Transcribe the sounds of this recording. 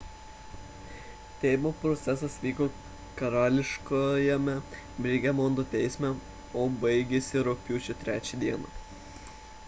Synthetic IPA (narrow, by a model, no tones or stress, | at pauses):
t̪ʲɛɪmoːpɾɔt̪sʲɛsɐsʋʲiːkoː | kɐɾɑːlʲɪʃkojɛmʲɛ | bʲɾʲɪɡʲɛmɔnd̪ot̪ʲɛɪsʲmʲɛ | oːbɐɪɡʲesʲɪɾɔpʲjuːt͡ʃʲʊt̪ʲɾʲæːt͡ʃʲɛd̪ʲiɛnɐ̰